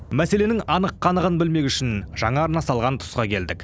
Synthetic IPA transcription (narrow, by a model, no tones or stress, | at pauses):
mæsele̞nɪŋɑnəqːɑnəʁənbɪlme̞kʲʏʃɪnʒ̥ɑɴɑːɾnɑsɑlˠʁɑnt̪ʰʊ̥sqɑkʲʰe̞ld̪ɪk